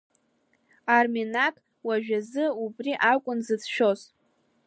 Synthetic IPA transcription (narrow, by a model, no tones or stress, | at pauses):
arminakʼ | waʒᶣazɨubriʔakʷʼʊnzɨt͡sʰʃᶣo̞z